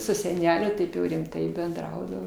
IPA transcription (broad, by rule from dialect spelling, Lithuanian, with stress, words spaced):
sʊ sʲɛˈnʲæːlʲʊ ˈtɐɪp jɛʊ rʲɪmˈtɐɪ bʲɛnˈdrɐʊdɐʋoː